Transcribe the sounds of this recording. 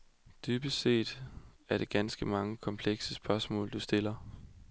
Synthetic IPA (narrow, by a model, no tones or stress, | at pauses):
d̥yːb̥əse̝̰ːd̥æɐɾ̥e̝ɡ̥ænsɡ̥əmɑ̈ŋəkʰɒ̽mpʰleɡ̥səsb̥ɶɐsmɔ̰̽ːld̥usd̥e̝lɐ